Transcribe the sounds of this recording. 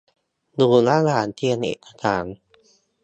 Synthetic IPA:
duː˧laː˥˩˨na˧aː˨˩˦nt̪ʰi˧nʔḛː˨˩t̪̚ʰa˧˩t̪ʰaː˩˦n

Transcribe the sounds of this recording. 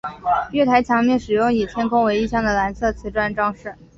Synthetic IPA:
ɥɛ˥˩t̪ʰa˧˥ɪt͡ɕʰjɑ˧˥ŋljɛ˥˩nʂɻ̩˨˩jʊ˥˩ŋi˨˩t͡ɕʰjɛ˥nkʰʊ˥ŋwe˧˥ɪi˥˧ɕjɑ˥˩ŋd̪ə˩la˧˥nsɤ˥˩t͡sʰɹ̩˧˥ʈ͡ʂwa˥˧nʈ͡ʂɑ˥ŋʂɻ̩˥˩

